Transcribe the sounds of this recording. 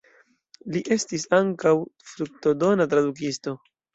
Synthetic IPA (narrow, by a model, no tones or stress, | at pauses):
liʔe̞stisaŋkawfɾuk̚to̞do̞natɾaduk̬isto̞